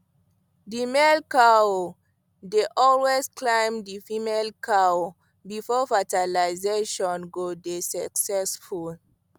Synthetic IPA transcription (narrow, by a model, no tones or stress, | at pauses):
dimelkao | deʔɔlwezklãɪ̃mdifimelkʰao | bifɔfatalaɪzeʃɔ̃nɡodesaksɛsful